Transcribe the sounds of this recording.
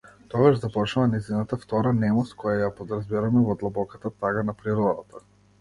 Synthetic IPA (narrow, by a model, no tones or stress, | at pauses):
t̪ɔɡaʒd̪apɔt͡ʃnuvanɛjzinat̪aft̪ɔɾanɛmɔskʰɔjajapɔd̪ɾazbiɾamɛvɔd̪lˠabɔkat̪at̪aɡanapɾiɾɔd̪at̪a